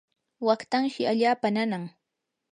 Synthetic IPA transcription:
wakt̪aŋʃɪaʎaːpananaŋ

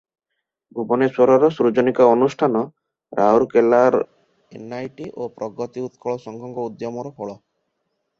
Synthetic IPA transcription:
ɡʱubɔnesoɾɔɾɔsɾud͡ʒɔnikaɔnusʈʰanɔ | ɾʔauɾkelaɾ | enajʈiʔopɾɔɡɔt̪iut̪kʰɔɭɔsɔŋkʰɔŋɡɔud̪jɔmɔɾɔpʰɔɭɔ

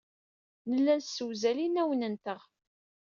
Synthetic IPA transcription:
nəlːælsːəwzælinæwənənt̪əʁ

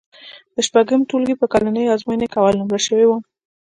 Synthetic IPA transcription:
d̪̥əʃpaɡəmt̪ulɡepəkalanəjɑzmajnekawalnumlaʃəwewu

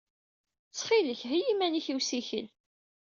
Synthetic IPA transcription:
t͡sːχiləçɦijimæniçiwsiçə̰l

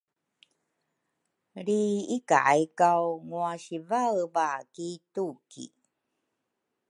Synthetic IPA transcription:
ɾiika̰ʔajkawŋuaɕivavakitukḭ

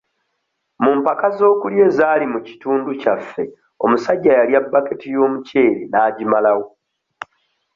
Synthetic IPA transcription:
mumpakazo̞ːkulje̞ːzaːlimuci̥tuːnducafːe̞ | o̞̰musaɟːajaljabːaketijo̞ːmuce̞ːɾenaːɟimalawo̞

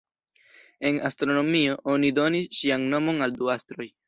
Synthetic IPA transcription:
e̞nastɾo̞no̞mio̞ʔo̞nido̞nisʃianno̞mo̞nalduastɾo̞j

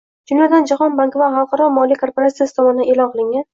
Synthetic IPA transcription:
d̪ʊnjɒd̪and͡ʒaχɒnbaŋkvaχɑlˠqʰɑɾɒmɒlikʰo̞ɾpoɾat̪sijasɪ̥t̪ʰɒmɒnɪd̪aʔe̞lɒnqʰɨlˠɪŋan

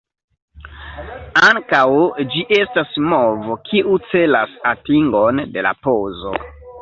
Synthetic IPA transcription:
aŋkawd͡ʒiʔe̞stasmo̞vokʰiʔut͡se̞lasatiŋɡo̞nde̞la̰pozo̞̰

